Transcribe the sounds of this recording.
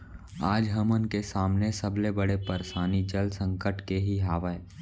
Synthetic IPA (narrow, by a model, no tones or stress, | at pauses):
aːd͡ʒɦɐmənkesaːmnesəblebəɽepəɾʃaːnid͡ʒəlsə̃ŋkəʈkeɦiɦaːʋəe